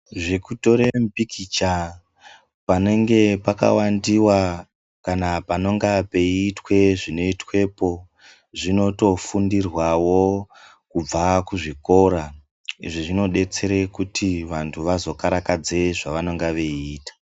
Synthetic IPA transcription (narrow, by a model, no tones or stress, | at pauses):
ʐekuto̞ɾempikit͡ʃa | pane̞ŋɡe̞paka̰wandiwa | kanapano̞ŋɡape̞iːtwe̞ʐino̞itwe̞po̞ | ʐino̞to̞fundirwawo̞ | kub͡vakuʐiko̞ɾa | ḭʐiʐino̞ɗe̞t͡se̞ɾekutʰiʋantʰuʋazo̞kaɾakad͡ze̞ʐaʋano̞ŋɡaʋe̞iːtḁ